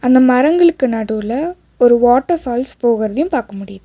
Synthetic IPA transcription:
ɐnd̪ɐmɐɾɐŋɡɐɭɯkːɯnɐɽɯlɐ | ɔɾɯʋaːʈːɐfaːlspoːɣɪɾɐðɐjʊ̃mpaːɾkɐmʊɽɪjɐðɯ

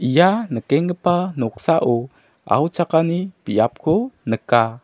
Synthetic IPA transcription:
ʔijanəkeŋɡəpanuksaʔu | ʔa̰ut͡ʃakanipiap̚kunəka

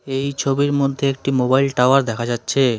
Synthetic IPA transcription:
ejt͡ɕʰobiɾmod̪ʱːeek̚ʈimobajlʈaoaɾd̪ɛkʰad͡ʑatːɕʰe

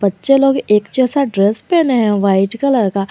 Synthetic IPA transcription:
bətːʃeloːɡeːkt͡ʃɛːsaɖɾɛspenɦɛ̃ʋaːɪʈkalɐɾka

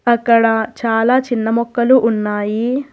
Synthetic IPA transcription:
ɐkːɐɽɐt͡ʃaːlaːt͡ʃinːɐmɔkːɐluʔːnːaːji

